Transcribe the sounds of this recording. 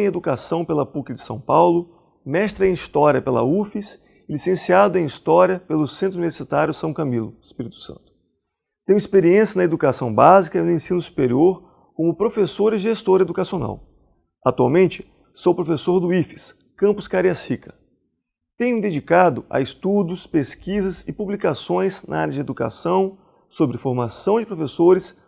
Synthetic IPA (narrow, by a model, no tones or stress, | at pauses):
ẽj̃ed̪ukasɐ̃w̃pelɐpukɪd͡ʒɪsɐ̰̃w̃pawlʊ | mɛst̪ɾɐẽist̪ɔɾiɐpelɐ̰ufis | lisẽsiad̪ʊẽist̪ɔɾiɐpelʊsẽnt̪ɾuniveɾsit̪aɾjʊsɐ̃w̃kɐmilʊ̰spiɾit̪ʊ̥sɐ̰̃nt̪ʊ̥ | t̪ẽj̃ispeɾiẽsjɐnɐed̪ukasɐ̃w̃bazikɐinʊẽsĩnʊsu̥peɾioɾ | kõmʊpɾofesoɾɪʒest̪oɾɐed̪ukasiona̰w | at̪uawmẽnt͡ʃɪ̥ | sowpɾofesoɾd̪ʊifɪ̥s | kɐ̃mpʊskaɾiɐshikɐ | t̪ẽj̃d̪ed͡ʒikad̪ʊa̰ɪst̪ud̪ʊspeskizɐzɪpublikasõj̃znɐ̰a̰ɾjɐd͡ʒɪed̪uka̰sɐ̃w̃ | sobɾɪfoɾmasɐ̃w̃d͡ʒɪpɾofesoɾɪs